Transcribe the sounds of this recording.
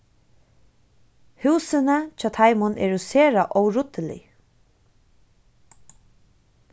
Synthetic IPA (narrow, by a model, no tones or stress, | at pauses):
huːsənat͡ʃʰaːt̪ʰajmʊnʔɛ̰ɹuseːɹaʔɔwɹʊt̪əlɪ̰